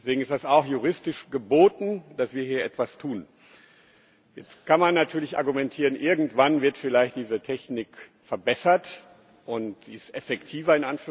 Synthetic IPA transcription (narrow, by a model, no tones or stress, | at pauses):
dɛsv̥eːɡŋ̩ɪstd̥asaʊxjuʁ̞ɪstɪʃɡ̥əboːtn̩d̥asv̥iːɐhiːɐʔɛtv̥astʰuːn | jɛt͡stkʰanmanːatʰyːɐlɪçʔa̰ɐɡumɛntʰiːʁənʔɪɐɡŋ̩tv̥anvɪɐtfɪlaɪçt̚d̥iːzətʰɛçnɪkfɛɐbɛsɐt | ʔʊntz̥iːɪstʔɛfɛktʰiːvɐɪnʔanfyː